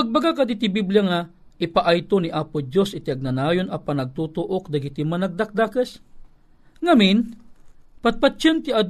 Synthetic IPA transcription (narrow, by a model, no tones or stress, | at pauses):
ɐɡ̚baɡakɐd̪it̪ɪbibljaŋa | ɪpaʔajt̪oniʔapʊd͡ʒjosɪt̪iɐɡ̚nɐnaːjonɐpanːɐɡ̚t̪ut̪ʊʔok̚d̪ɐɡit̪imanɐɡ̚d̪ak̚d̪akɛs | ŋamin | pat̪̚pat͡ʃant̪ɪad̪